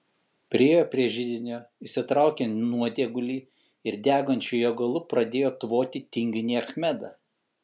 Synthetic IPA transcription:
pʲɾʲɪeːjoːpʲɾʲiɛʒʲɪd̪ʲɪnʲoːisʲɪt̪ɾɑˑʊkʲennuɔd̪ʲeɛɡʊlʲiː | ɪɾd̪ʲæːɡoːnʲt͡ʃʲʊjoːɡɐlˠʊpɾɐd̪ʲeːjoːt̪ʋoːt̪ʲit̪ʲɪŋʲɡʲʊnʲiːɐxʲmʲæd̪ɑ

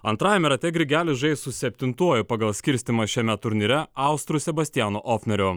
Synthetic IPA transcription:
ɐnt̪ɾɑːjɛmʲɛɾɐt̪ʲɛɡɾʲɪɡʲæːlʲɪʒɐɪssʊsʲɛpʲt̪ʲɪnt̪uɔjʊpɑɡɐlˠsʲkʲɪɾʲsʲt̪ʲɪmɐʃʲɛmʲɛt̪ʊɾʲnʲɪɾʲɛɑˑʊst̪ɾusʲɛbɐsʲt̪ʲɪjæːnoʔoːfʲnʲɛɾʲo

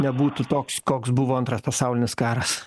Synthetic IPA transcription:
nʲɛbuːt̪ut̪oːkskoːksbʊʋoːɐnt̪ɾɐspɐsɑʊlʲɪnʲɪskɑːɾɐs

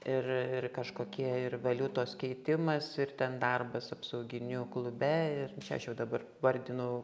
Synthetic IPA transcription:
ɪrɪrkɐʃkoːkʲiɛɪrʋɐlʲʊt̪oːskʲɛɪt̪ʲɪmɐsɪrt̪ʲɛnd̪ɐrbɐsɐpsɐʊɡʲɪnʲʊklˠʊbʲɛɪrt͡ʃʲɛɐ̰ʃjɛʊd̪ɐbɐr | ʋɐrʲd̪ʲɪnʊ

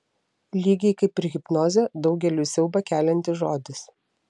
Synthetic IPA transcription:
lʲiːɡʲɛɪkɐɪpʲːɾʲɪɣʲɪpnoːzʲoːd̪ɒʊɡʲɛlʲuːsʲɛʊbɐkʲæːlʲɛnʲt̪ʲɪʒoːd̪ʲɪs

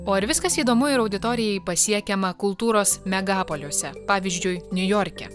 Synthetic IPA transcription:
oːɪɾʋʲɪskɐsiːd̪oːmʊɪɾɐʊd̪ʲɪt̪oːɾʲɪjɛɪpɐsʲiɛkʲɛmɐkʊlˠt̪uːɾoːsmʲɛɡɑːpolʲoɔsʲɛpɑːʋʲiːzʲd͡ʒʲʊjnʲʊjɔːɾʲkʲɛ̰

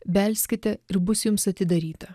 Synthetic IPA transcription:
bʲɛlʲsʲkʲɪt̪ʲɛɪɾbʊsjʊmsɐt̪ʲɪd̪ɐɾʲiːt̪ɐ

